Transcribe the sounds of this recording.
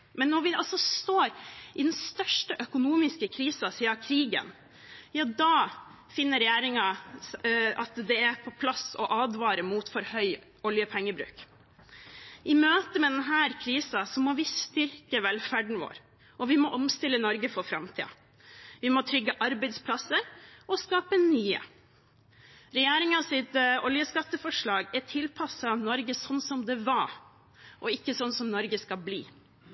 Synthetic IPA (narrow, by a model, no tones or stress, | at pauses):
mɛnːɔɾʋɪɑlsɔst̪oːɾʔɪd̪ɛnst̪œʂʈəʔœkʊnuːmɪskəkʰɾiːsɑsiːɑkʰɾiːɡə̰n | jɑːd̪ɑː | fɪnːəɾɛjæːɾɪŋɑ | ɑt̪d̪ɛæɾpʰɔpʰlɑsɔ̰ʔɑːd̪ʋɑːɾəmuːt̪fɔɾhœʏ | ɔljəpʰɛŋːəbɾʉ̰ːk | ʔɪmøːt̪əmɛd̪ɛnɦæːɾkʰɾiːsɑsɔmɔʋɪst̪ʏɾkəʋɛlfæɖɳ̩ʋo̰ːɾ | ʔɔʋɪmɔʔɔmst̪ɪlːənɔɾɡəfɔɾfɾɑmt̪ʰḭːɑ̰ | ʋɪmɔt̪ʰɾʏɡːəʔɑɾbæɪd̪spʰlɑsəɾɔskɑːpənyːə̰ | ɾɛjæːɾɪŋɑsɪt̪ɔljəskɑt̪ːəfɔʂɭɑːɡætʰɪlpʰɑsːɑnɔɾɡəsɔnːsɔmd̪ɛʋɑ | ʔɔɪkːəsɔnːsɔmnɔɾɡəskɑlbliː